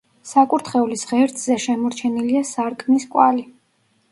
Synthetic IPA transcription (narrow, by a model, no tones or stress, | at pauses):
sakʼuɾt̪ʰχɛulisʁɛɾt̪ʰʼzɛʃɛmɔɾt͡ʃʰɛniliasaɾkʰmiskʼwali